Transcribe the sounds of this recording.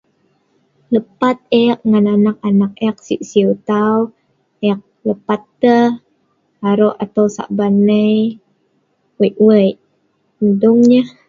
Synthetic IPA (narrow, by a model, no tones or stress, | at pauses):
ləpat̪̚eak̚ŋananak̚anak̚eak̚siʔsiut̪aw | ʔɛak̚ləpat̪ːəh | aɾoʔat̪awsa̰ʔbanəj | wəʔwəjʔ | nəduŋɲəh